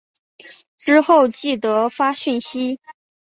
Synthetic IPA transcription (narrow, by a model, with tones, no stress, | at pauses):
ʈ͡ʂɻ̩˥xo˥˧ʊt͡ɕi˥˩t̪ɤ˧˥fa˥ɕy˥˩nɕi˥